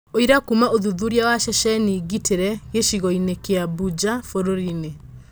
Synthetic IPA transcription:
oiɾakumaoðuðuɾjawaʃɛʃɛniɡitʰeɾɛɣeʃiɣɔinekeabud͡ʒafoɾoɾine

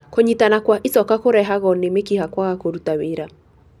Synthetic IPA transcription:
koɲitanakwaʔisɔkakoɾɛɦaɣɔnemekihakwaɣakoɾutaweɾa

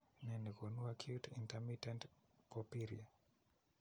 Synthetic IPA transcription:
nɛnikonuakʰjutintɛmitɛntpɔpiɾḭa

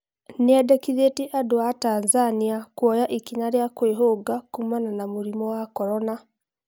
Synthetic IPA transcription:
neɛdɛkiðetiʔadoatanzaniakwɔjaʔikinaɾjakweɦoɡakumananamuɾimɔwakɔɾɔna

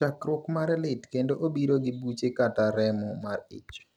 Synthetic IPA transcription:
akɾʊkmaɾɛlɪtkendoʔobiɾoɡɪbut͡ʃekataɾɛmɔmarɪ̰t͡ʃ

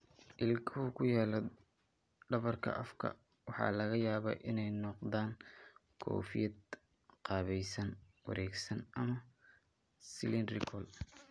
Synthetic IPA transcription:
ʔɪlkʰʊɦʊkʰʊjaːlɔ | ɖɐβɐrkʰɐ̰ʔɐfkʰɐ̰ | wɑħɑ̰ːlɐɣɐjaːβɐ̰ʔɪnɛjnɔqd̪aːŋkʰɔ̰ːfɪjɐd̪ | qɑːβɛjsɐn | wɐ̰ɾʔɛːɡsɐnɐmɐ | sɪlɪnrɪkʰɔl

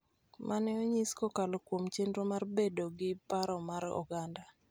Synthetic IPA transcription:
mʔanɛoɲiskokalokwomt͡ʃendɾomarbedoɡɪpaɾɔmaɾɔ̰ɡanda

